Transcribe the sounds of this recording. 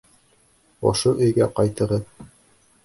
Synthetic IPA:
ɒ̰ʃɤʔɵ̆jɡæqɑjt̪ɤ̆ɾɤð

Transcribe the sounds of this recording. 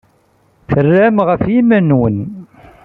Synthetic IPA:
θərːæmʁəfjimænwən

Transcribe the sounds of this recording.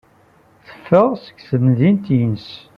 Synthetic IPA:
θə̥fːəʁsə̥ɡθəmðint̪jənəs

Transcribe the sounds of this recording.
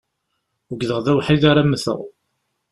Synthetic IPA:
əɡðəʁðæwħiðaɾæmːəθə̰ʁ

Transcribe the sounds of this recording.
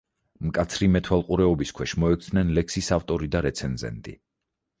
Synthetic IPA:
mkʼat̪sʰɾimɛt̪ʰwalˠqʼuɾɛɔbiskʰwɛʃmɔɛk̚ʰt̪ʰnɛnlɛksisaft̪ʼɔɾid̪aɾɛt̪sʰɛnzɛ̰nt̪ʼḭ

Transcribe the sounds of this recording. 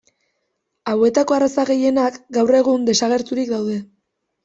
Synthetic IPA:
awe̞t̪ako̞arasaɣe̞je̞nakɡawre̞ɣ̞und̪e̞saɣ̞e̞ɾt̪uɾikd̪awðe̞

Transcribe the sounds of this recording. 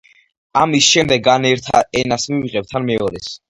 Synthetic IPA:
amisʃɛmd̪ɛɡanɛɾt̪ʰa̰ɛnasmiviʁʼɛb̚t̪ʰanmɛɔɾɛs

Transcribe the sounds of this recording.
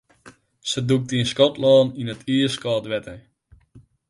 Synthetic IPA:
səduk̚tiənskɔtlɔːninətiəskɔːtʋɛtə

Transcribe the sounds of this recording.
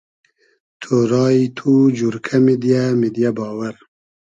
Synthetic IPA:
t̪ʰoɾɑːit̪ʰud͡ʒuɾkʰamid̪jamid̪jabɑːwaɾ

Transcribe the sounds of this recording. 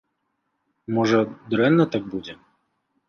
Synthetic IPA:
mɔʐɐd̪ɾɛnːɐt̪aɡ̚bud͡zʲɛ

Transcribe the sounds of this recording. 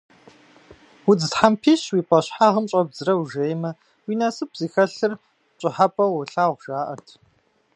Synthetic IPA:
wʊd͡zɨzħampʰiːɕwiːpʷʼɐɕħaːʁəmt͡ʃʷʼɐb̚zɨɾɐwʒejmɐ | wiːnasɨp̚z̥iːxɐɬɨr | t͡ʃʷʼɪħapʼɐwʊɬaːwʷʒ̥aːʔɐtʰ

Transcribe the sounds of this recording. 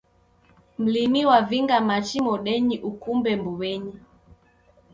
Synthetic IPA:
m̩limiwaviŋɡamat͡ʃimɔɗɛɲiʔukumbɛmbuβɛɲi

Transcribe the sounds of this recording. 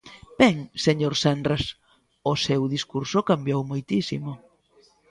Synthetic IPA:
b̥ɛŋseɲoɾsand̪ɾas | ʊsewðiskuɾsokambjowmojt̪isḭmo

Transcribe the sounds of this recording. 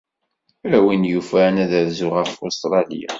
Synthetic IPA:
ɾæwinjufænæðæðzʊʁəfust̪ɾˤɑlḭja̰

